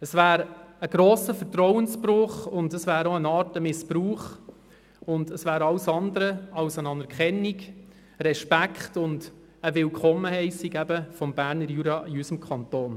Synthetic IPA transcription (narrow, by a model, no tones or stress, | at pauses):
əsvæːɾəɡ̥ɾoːsəfəɾtɾɔʊənspɾʊχʊndəsʋæːɾoənɑːɾtəmɪspɾuːχ | ʊndəsʋæːɾɑwsɑnd̪əɾəɑlsənɑnɛɾkχɛnːik | rɛʃpækχtʊnd | əʋɪlkʰχɔməhɛɪsiɡæbəfɔmbæːɾnəɾjuːɾɑʔiysəmkʰɑntoːn